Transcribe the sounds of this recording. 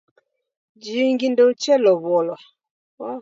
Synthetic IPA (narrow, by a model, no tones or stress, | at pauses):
d͡ʒiŋɡindɔut͡ʃɛlɔβɔla | wa